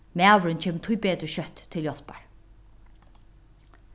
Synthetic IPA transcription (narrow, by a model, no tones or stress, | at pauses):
mɛaːʋɾʏnt͡ɕʰeːmət̪ʰʊjbeːt̪ɾəʃœt̪ʰːɪljɔlpaɹ